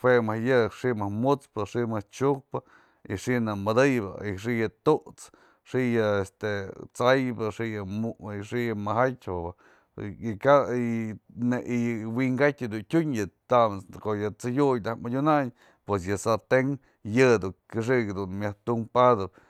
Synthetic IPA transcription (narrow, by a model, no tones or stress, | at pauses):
wemahjɨʂiʔmahmut͡spɨʂiʔmɨht͡ʃuk̚pɨ | ḭʂiʔnɨmɨd̪ɨjbɨ̰ḭʂiʔjɨt̪uʔt͡s | ʂijɨest̪et͡sajbɨʂiʔjɨuʂiʔjɨmaɦatʲa | kaineʔiwiŋɡatʲd̪untʲuɲjɨt̪amskoʔjɨt͡sɨjujd̪ahmadʲunaɲ | pwes̬jɨsat̪eŋ | jɨd̪ukɨʂ̬ikd̪unmjaht̪uŋpad̪ɨp̚